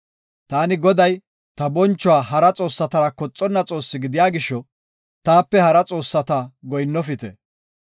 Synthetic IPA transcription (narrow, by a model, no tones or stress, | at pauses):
t̪aːnɪɡɔd̪ɐj | t̪ɐbɔnt͡ʃːɔwaːɦɐɾɐt͡sʼo̞ːsːɐt̪ɐɾɐkɔt͡sʼːɔnːɐt͡sʼo̞ːsːɪɡɪd̪ɪjaːɡɪʃːɔ | t̪aːpːɛhɐɾɐt͡sʼo̞ːsːɐt̪ɐɡɔjnːɔfɪt̪ɛ̰